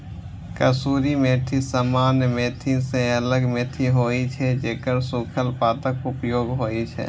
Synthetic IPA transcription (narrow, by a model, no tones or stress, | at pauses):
kəsuːɾimeːt̪ʰisaːmaːnjmeːt̪ʰisẽələɡmeːt̪ʰiɦoːit͡ʃʰɛd͡ʒeːkəɾsʊkʰəlpaːt̪əkʊpjoːɡɦoːit͡ʃʰɛ̰ː